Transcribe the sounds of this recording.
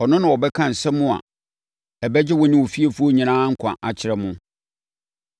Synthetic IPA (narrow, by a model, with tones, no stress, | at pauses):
ɔ˨nʊ̃˦nã˨ɔ˨bɛ˦kʰã˦˨n̩˨sɛ˦mʊ̃˦a̰˨ | ɛ˨bɛ˦d͡ʑɪ˦wɔ˦nɪ̃˦wo˨fi˦a˨fu˦o˦ɲĩ˨nãː˦ŋ̩˦kʷʰã̰˨ʔa˨t͡ɕʰɪ˨ɾɛ˦mʊ̃˦